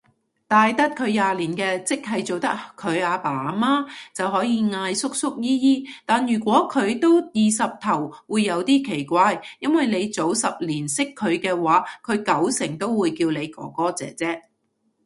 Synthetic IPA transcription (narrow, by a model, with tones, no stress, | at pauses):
t̪aː˨jt̪ɐ˥t̚kʰɵ˨˧ɥjaː˨liː˨˩nkɛː˧t͡sɪ˥k̚ɦɐ˨jt͡so˨wt̪ɐ˥k̚kʰɵ˨˧ɥaː˨˧paː˨naː˥t͡sɐ˨wɦɔː˨˥jiː˨˧ŋaː˧jsʊ˥k̚sʊ˥k̚jiː˥jiː˥t̪aː˨˩njyː˨˩kʷɔː˨˥kʰɵ˨˧ɥt̪o˥wjiː˨˩sɐ˨p̚t̪ʰɐ˨˩wwuː˨˧jːɐ˨˧wt̪iː˥kʰe˨˩jkʷaː˧jjɐ˥nwɐ˨jne˨˧jt͡so˨˥wsɐ˨p̚liː˨˩nsɪ˥kʰːɵ˨˧ɥkɛː˧waː˨˥kʰɵ˨˧ɥkɐ˨˥wsɪ˨˩ŋt̪o˥wwuː˨˧jkiː˧wle˨˧jkɔ̰ː˨˥kɔː˥t͡sɛ̰ː˨˧t͡sɛː˥